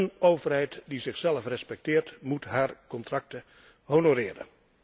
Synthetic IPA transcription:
ənowvərɦɛjtdizɪχsɛlfrɛspɛk̚tɪːɹtmutɦaːɹkɔntrɑk̚tə | ɦonoɾɪːɾə̰

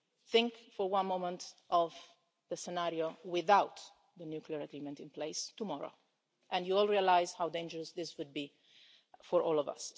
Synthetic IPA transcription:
θɪ̃ŋkfɔɹwãnmõmə̃ntʔɔv | ðəsɛnaɾiowɪðawt̪ | ðənjukliəɹaɡɾimɛ̃ntɪ̃npʰleɪstumɔɹo̰ | ʔɛ̃njuɔlˠɹialaɪzhawdẽnd͡ʒəɹəsðɪswud̪̚bi | fɔɹʔɔlɔvʌ̰s

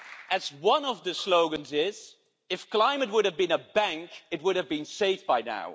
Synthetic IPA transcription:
ɨzwʌ̃nʌvðɨsloʊɡɨ̃nzɪz̥ | ɨfkl̥ãɪ̃mɨt̚wʊɾɨvbɨ̃nəbæ̃ŋkɨt̚wʊɾɨvbɨ̃nseɪvbaɪna̰ʊ

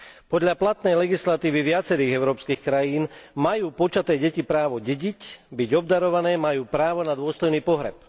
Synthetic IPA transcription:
pɔd̪ʎaplat̪nɛjlɛɡislat̪iːʋiʋɪat͡sɛɾiːɣɛʊɾɔːpskiːxkɾajiːnmajuːpɔt͡ʃat̪ɛːɟɛcipɾaːʋɔɟɛɟicbiɟɔb̚d̪aɾɔʋanɛːmajuːpɾaːʋɔnad̪ʊɔst̪ɔjniːpɔɦɾɛ̰p̚

